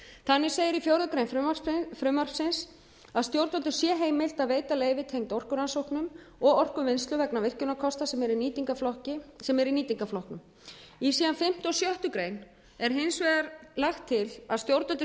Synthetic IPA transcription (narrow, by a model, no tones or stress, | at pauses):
θanːɪseːjɪɾifjowɾðʏkɾejnfʏafɾʏmːar̥fsɪns | aðst̪jowɾt̪ɔnt̪ʏ̥sjɛɦeːjmɪl̥t̪aveːjt̪aleːjvɪt̪ʰejŋt̪ɔr̥kʏɾansowhknʏm | ɔɣɔr̥kʏvɪjnst̪lʏvɛknavɪr̥cʏnakʰɔst̪asɛmɛɾiniːt̪iŋkaflɔhcɪsɛmɛɾiniːt̪iŋkaflɔhknʏm | isiːðanfɪm̥t̪ʏɔsjœht̪ʏkɾeːjn | ɛɾ̥ɦɪnsvɛːɣaɾlaxt̪ʰːɪlaðst̪jowɾt̪ɔt̪ɪ